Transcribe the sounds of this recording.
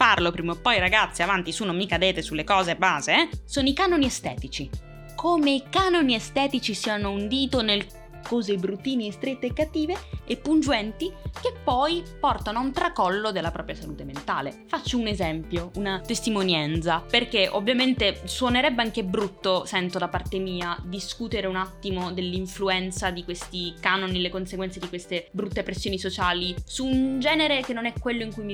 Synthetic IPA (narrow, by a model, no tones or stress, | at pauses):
parlopɾiːmopːɔjɾaɡat̪sːiavant̪isunomikad̪eːt̪esulːekɔːzebaːzesoːnoikanoniest̪ɛ̰ːt̪it͡ʃi | kʰoːmeikanoniest̪ɛːt̪it͡ʃisiːanound̪iːt̪onel | kɔːzebɾut̪ːiːniest̪ɾet̪ːekːat̪ːiːveːpːund͡ʒuɛnt̪ik̟epːɔjpɔrt̪anoaunt̪ɾakɔlːod̪elːapɾɔːpɾjasaluːt̪ement̪aːlefat͡ʃːounezɛmpjounat̪est̪imonjɛnt̪saperk̟eʔo̰vːjament̪eswoneɾɛbːeaŋk̟ebɾut̪ːosɛnt̪od̪apːart̪emiːad̪iskut̪eɾeunat̪ːimod̪elːiɱfluɛnt̪sad̪ikwest̪ikanonilekonseɡwɛnsed̪ikwest̪ebɾut̪ːepɾesːjoːnisot͡ʃaːlisuːnd͡ʒɛːneɾekenːonɛkːwelːoiŋkujmi